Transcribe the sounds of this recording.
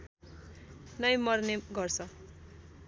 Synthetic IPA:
nʌjmʌrneɡʌrt͡sʰʌ

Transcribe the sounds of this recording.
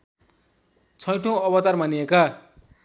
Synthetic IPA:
t͡sʰʌjʈʰõʌbʌt̪armanijeka

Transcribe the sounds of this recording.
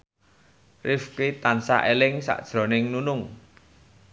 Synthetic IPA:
rɪfkit̪ansa̰ʔelɪŋsa̰ʔd̥ʒ̥ɾɔ̤nɪŋnunʊŋ

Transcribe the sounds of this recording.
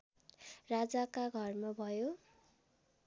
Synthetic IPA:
rad͡zakaɡʱʌrmabʱʌjo

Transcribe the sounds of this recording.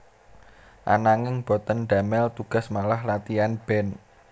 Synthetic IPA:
ʔa̰naŋɪŋb̥ɔ̤t̪ənɖ̪a̤mɛlt̪uɡ̥a̤smalahlat̪ianb̥ɛ̤n

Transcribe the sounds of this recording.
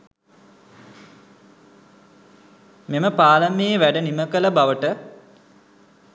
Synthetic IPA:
meməpaːləmeːʋæɖəniməkələbaʋəʈə

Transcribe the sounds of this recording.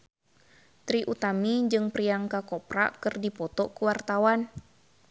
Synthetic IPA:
t̪ɾiʔut̪amid͡ʒɨŋpɾiaŋkakɔpɾa̰kɨrdipɔt̪ɔkuwart̪awan

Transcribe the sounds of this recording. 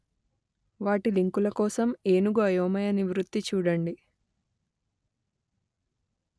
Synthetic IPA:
ʋaːʈiliŋkulɐkɔːsɐme̞ːnuɡoɐjoɐmɐjɐniʋɾut̪ːit͡ʃuːɽɐɳɖi

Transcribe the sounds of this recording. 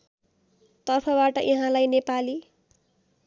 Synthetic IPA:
t̪ʌrpʰʌbaʈʌʔiɦãlajnepali

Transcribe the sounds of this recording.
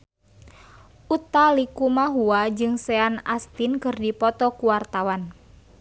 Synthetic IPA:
ʔut̪alikumaɦuad͡ʒɨŋsɛanast̪inkɨrdipɔt̪ɔkuwart̪awan

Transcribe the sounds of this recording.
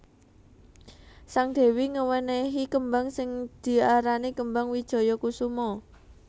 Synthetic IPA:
saŋd̪̥e̤wiŋəwəneɦikəmbaŋsɪŋd̪̥i̤aɾanikəmbaŋwid̥ʒ̥ɔ̤jɔkusumɔ

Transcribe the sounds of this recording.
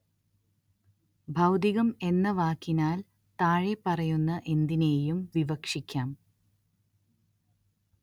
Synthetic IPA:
bʱɐwd̪iɣɐme̞nːɐʋaːkːinaːl | t̪aːɻepɐrɐjunːɐʔe̞nd̪ine̞ːjumʋiʋɐkʂikʲːaːm

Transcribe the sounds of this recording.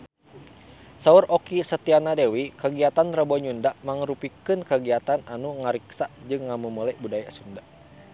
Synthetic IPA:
saurɔkisət̪ianadewikəɡiat̪anrəbɔɲundaʔmaŋɾupikɨnkəɡiat̪ananuŋaɾiksad͡ʒɨŋːamumulɛʔbudaja̰sunda

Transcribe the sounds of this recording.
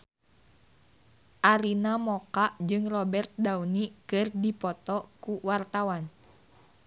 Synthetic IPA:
ʔaɾinamɔkaʔd͡ʒɨŋrɔbɛrt̪̚daunikɨrdipɔt̪ɔkuwart̪awan

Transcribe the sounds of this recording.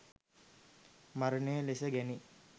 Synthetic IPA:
maɾənəjəlesəɡæni

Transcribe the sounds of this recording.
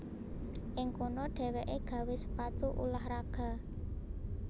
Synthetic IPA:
ʔɪŋkonɔɖ̥ɛ̤wɛʔeɡ̥ä̤wesə̥pat̪uʔṵlahɾaɡ̥ä̤

